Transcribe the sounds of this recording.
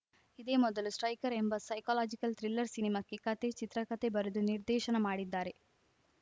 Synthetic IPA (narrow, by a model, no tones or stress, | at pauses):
id̪eːmɔd̪ɐlusʈɾɐjkɐɾembɐsɐjkaːlaːd͡ʒikɐlt̪ɾilːɐɾsinimaːkːekɐt̪e̞t͡ʃit̪ɾɐkɐt̪e̞bɐɾud̪uniɾd̪ɛːʃɐnɐmaːɽid̪ːaːɾe̞